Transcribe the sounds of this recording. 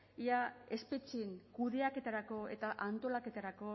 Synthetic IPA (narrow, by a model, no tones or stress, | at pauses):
iae̞spet͡ʃiŋkuðe̞ake̞t̪aɾako̞e̞̰t̪aʔant̪o̞lake̞t̪aɾako̞